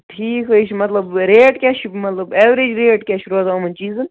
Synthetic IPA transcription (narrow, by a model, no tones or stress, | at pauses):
ʈʰiːkɦoit͡ʃʰmɐt̪lɐbɾeːʈkʲɛːʃʰmɐt̪lɐbeːʋɾed͡ʒɾeːʈkʲeʃʰɾozaːmɐnt͡ʃiːzɨn